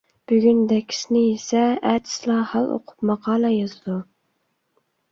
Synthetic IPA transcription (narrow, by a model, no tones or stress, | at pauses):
b̥yɡʲynd̪ɛkʲʰi̥snɪjesɛæd̪ʰɪ̥slˠɑhɑlˠo̰qʰʊ̥pmɑqɑːlˠɑjɑzɨd̪u